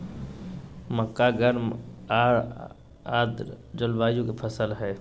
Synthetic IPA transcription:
məkːaɡəɾmaːɾ | aːd̪d͡ʒʊlbaːjũkepʰəsəlɦɛː

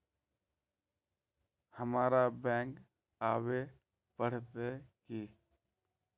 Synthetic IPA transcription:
həmaːɾabɛ̃ːŋk | aːwe | pəɽ̤t̪eki

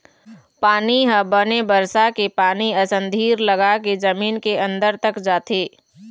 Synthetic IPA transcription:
paːniɦə̃bənebəɾsakepaːniɐsə̃nd̪ʱiːɾləɡaked͡ʒɐmiːnkeɐ̃nd̪əɾt̪əkd͡ʒaːt̪ʰeː

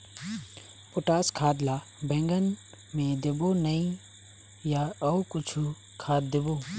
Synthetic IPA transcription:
pʊʈaːskʰaːd̪laː | bɛ̃ŋɡən | mẽd̪ɪboːnəĩ | jaɐukʊt͡ʃʰu | kʰaːt̪̚d̪ɪboː

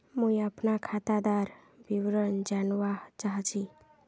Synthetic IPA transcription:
mũiapnakʰat̪ad̪aɾ | biwɾənd͡ʒanʋat͡ʃaɦt͡ʃʰi

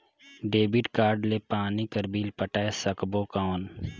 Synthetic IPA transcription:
ɖeːbiʈkaːɾɖlepaːnikəɾbiːlpəʈaːesəkboːkaːn

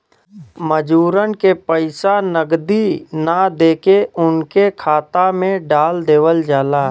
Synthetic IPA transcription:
məd͡ʒuːɾənkepəɪsanəɡd̪inad̪eːkeʊnkekʰaːt̪amẽɖaːld̪eːʋəld͡ʒaːlaː

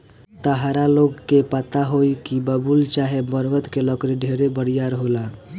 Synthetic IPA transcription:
t̪əɦaɾaloɡkepət̪aɦoikibəbult͡ʃaɦebəɾʋət̪kelɔkɾiɖʱeɾebəɽijaɾɦola

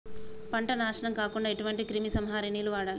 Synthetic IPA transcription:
pɐɳʈɐnaːʂɐɳɐmkaːkuɳɖaːeʈuʋɐɳʈikɾimisɐmɦaːɾiniːluʋaːɽaːli

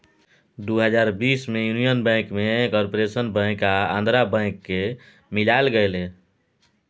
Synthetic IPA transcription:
d̪uɦəd͡ʒaɾbismejunijənbɛ̃kmekɔɾpoɾesənbɛ̃kaã̰nd̪ʱɾabɛ̃ɪ̃kːe | milaelɡəjle

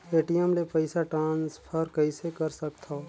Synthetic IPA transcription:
eːʈijəmlepɐɪsaʈãːnspʰɐɾkɐisekɐɾsɐk̚t̪ʰa

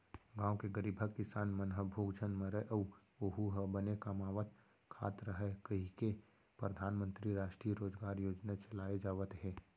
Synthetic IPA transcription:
ɡãːwkeɡəɾiːbʱəkkɪsaːnmənɦəbʱoːɡd͡ʒənmə̃ɾəʔɐu | oɦuɦəbənekamaːʋət̪ | kʰa̰ːt̪ɾəɦɛkɐɦike | pɾəd̪ʱaːnmə̃nt̪ɾiɾaːʃʈɾijəɾoːd͡ʒɡaːɾjoːd͡ʒnat͡ʃɐlaːed͡ʒaːʋət̪ɦɛː

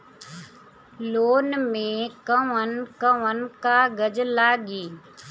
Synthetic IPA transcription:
loːnmẽkəʋənkəʋənkaɡəd͡ʒlaːɡiː

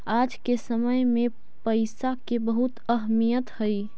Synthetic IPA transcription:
ad͡ʒkesəməjmẽ | pəɪsakebəɦut̪əɦmijət̪həj

